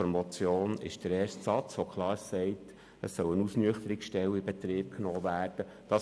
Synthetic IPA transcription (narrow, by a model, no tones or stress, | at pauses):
mɑt͡sjoːnɪ̰ʃd̥əɾeːstsɑt͡sʋokʰlɑːɾsɛɪt | əsːœwənusnyəχtəɾɪkʃtɛwibɛt̪ɾiːp̚knoːvæːɾd̥ə | d̥ɑ